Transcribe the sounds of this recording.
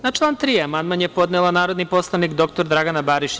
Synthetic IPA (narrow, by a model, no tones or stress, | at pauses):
nat͡ʃlˠaːnt̪ɾiːamanmaɲjepo̞d̪nelˠanaːɾo̞d̪nipo̞slˠaʋnikd̪o̞k̚t̪o̞ɾd̪ɾaɡanabaːɾiʃ